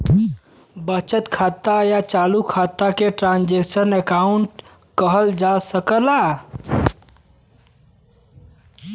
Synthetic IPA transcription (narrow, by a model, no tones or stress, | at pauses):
bət͡ʃət̪kʰat̪ajat͡ʃalukʰat̪ːakeʈɾand͡ʒeksənekauɳʈ | kəɦəld͡ʒasəkəla